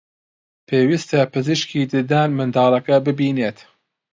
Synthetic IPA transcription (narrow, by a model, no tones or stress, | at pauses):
pʰeːwist̪ɐpɨziʃkʰiːd̪ɨd̪aːnmɨnd̪ɑːlˠɐkɐbɨbiːneːt̪